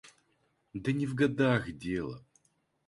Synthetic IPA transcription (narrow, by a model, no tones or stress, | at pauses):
d̪ɐnʲɪvɡɐd̪axdʲelˠə̰